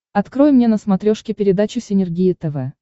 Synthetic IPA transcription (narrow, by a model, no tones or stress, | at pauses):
ɐt̪kɾo̞jmnʲe̞nəsmɐt̪ɾʲoʂkʲɪpʲɪɾʲɪd̪at͡ɕʊsʲɪnʲɪrɡʲijɪt̪ɛvɛ